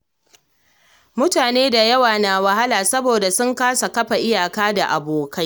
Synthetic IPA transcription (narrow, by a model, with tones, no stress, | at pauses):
mʊ˦taː˨neː˦da˨jɐ˦waː˨na˨wɐ˨ha˦laː˨sɐ˦boː˨da˨sʊ˦ŋkaː˦sa˨kɐ˦ɸa˨ʔɪ˦jaː˨kaː˦da˨ʔa˨boː˨ka˦j